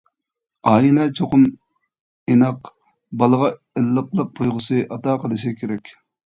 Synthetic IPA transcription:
ɑːjinɑt͡ʃʰoqʊm | inɑq | bɑlˠəʁɑ | elːəqlˠəq̚t̪ʰujʁəsɨʔɑt̪ɑːqʰəlˠɨʃɪkʲʰeɾɛkʲ

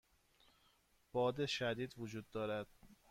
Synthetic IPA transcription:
b̥ɒːd̪eʃæd̪iːd̪vod͡ʒuːd̪ːɒːɾæd̪̥

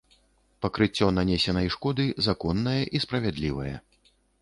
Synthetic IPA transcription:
pɐkɾɨt͡sʲːɔnanʲɛsʲɛnɐjʂkɔd̪ɨzakɔnːɐjɐʔispɾɐvʲɛd̪lʲivɐ̰jɐ̰

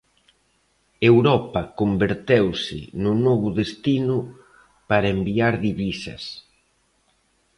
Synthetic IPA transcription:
ewɾɔpɐkombeɾt̪ewsɪ̰nʊnɔβʊðest̪inʊ | paɾɐembiaɾðiβisɐ̰s

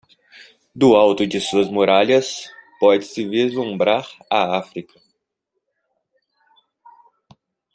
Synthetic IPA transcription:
d̪ʊawt̪ʊd͡ʒɪsuɐzmoɾaʎɐspɔd͡ʒɪsɪvezlũmbɾaɾaafɾikɐ̥

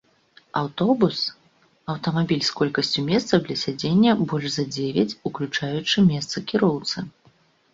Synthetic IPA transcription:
awt̪ɔbus | ɐwt̪ɐmabʲilʲskɔlʲkɐsʲt͡sʲumʲɛst̪sɐwd̪lʲɐsʲad͡zʲenʲːɐbɔlʲʐzɐd͡zʲevʲɐt͡sʲuklʲut͡ʂajut͡ʂɨmʲɛst̪sɐkʲiɾɔwt̪sɨ

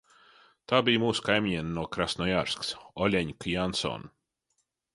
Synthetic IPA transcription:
t̪aːbʲijmuːsu̥kajmʲiɲeːnnːuɔkɾasnɔjaɾsksɔlʲɛɲkjansɔ̰ːn

